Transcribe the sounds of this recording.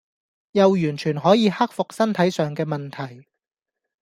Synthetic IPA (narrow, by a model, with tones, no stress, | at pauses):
jɐ˨wjyː˨˩nt͡ʃʰyː˨˩nɦɔː˨˥jiː˨˧hɐ˥k̚fʊ˨k̚sɐ˥nt̪ʰɐ˨˥jsœː˨ŋkɛː˧mɐ˨nt̪ʰɐ˨˩j